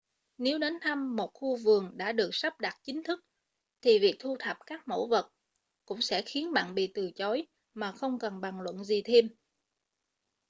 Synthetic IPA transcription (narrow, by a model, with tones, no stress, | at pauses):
ne˨˦wɗe˨˦nt̪ʰa˧mːo˨˩t̚xu˧vɨ˨˩əŋɗa̰ː˧˥ɗɨ˨˩ək̚sa˦˥p̚ɗaː˨˩t̚t͡ɕï˨˦ŋ̟t̪ʰɨ˦˥k̚ | t̪ʰi˨˩vi˨˩ək̚t̪ʰu˧t̪ʰə˨˩p̚kaː˦˥k̚mo̰˧˥və˨˩t̚ | kʊ̰˧˥ŋ͡msɛ̰˧˥xi˨˦ənɓa̰ː˧˨nɓḭ˧˨t̪ɨ˨˩t͡ɕɔ˨˦j | maː˨˩xə˧wŋ͡mkə˨˩nɓa˨˩ŋlwə̰˧˨nzi˨˩t̪ʰe˧m